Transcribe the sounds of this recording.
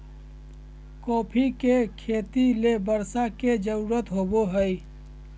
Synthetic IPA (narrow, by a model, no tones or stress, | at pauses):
kɔːpʰikekʰeːt̪ilebəɾsaked͡ʒəɾuːɾət̪ɦoːboɦəi